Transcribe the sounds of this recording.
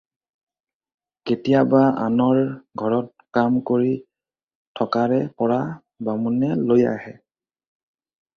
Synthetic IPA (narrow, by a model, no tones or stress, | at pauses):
ketijabaa̰nɔɹɡʱɔɹɔt̚ | kamkoɹi | tʰɔkaɹɛpɔɹa | bamunɛloja̰hɛ